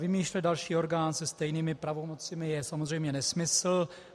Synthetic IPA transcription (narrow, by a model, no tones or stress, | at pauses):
vɪmiːʃlɛt̪dalʃiːo̞ɾɡaːnsɛst̪ɛjniːmɪpɾavomo̞t͡sɪmɪjɛsamozr̝ɛjmɲɛnɛsmɪsl̩